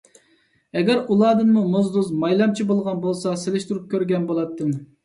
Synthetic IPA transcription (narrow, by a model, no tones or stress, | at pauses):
ɛɡʲɛɾulˠɑːd̪ɨnmumozd̪uzmɑjlˠɑmt͡ʃʰibolˠʁɑnbolˠsɑselɪʃt̪uɾup̚kʲʰøɾɡʲɛnbolˠɑt̪ːɨm